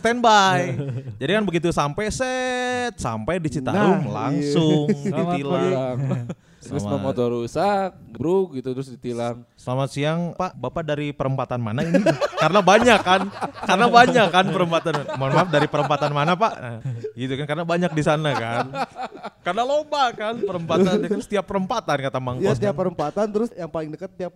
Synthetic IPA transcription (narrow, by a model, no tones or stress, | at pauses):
st̪ɛnbajd͡ʒadikanbəɡit̪̬usampɛsɛt̪̚sa̰mpajdit͡ʃit̪a̰ɾʊŋla̰ŋsʊŋdiilaŋ | samamot̪oɾusak̚bɾuk̚ɡit̪ut̪ɾʊsdit̪ilaŋsəlamasiaŋpaʔbapadaɾipəɾəmpat̪anma̰nainikaɾənabaɲakːankaɾənabaɲakːanpəɾəmpat̪anmanmanmafdaɾipəɾəmpat̪anmanapaʔʔɡit̪ukankaɾənabaɲak̚disanakan | karənalombakanpəɾəmpat̪anat̪əɾʊst̪iapːəɾəmpat̪ankat̪amaŋkjat̪iapːəɾəmpat̪ant̪əɾʊsjaŋpalɪŋdəkət̪ːiap̚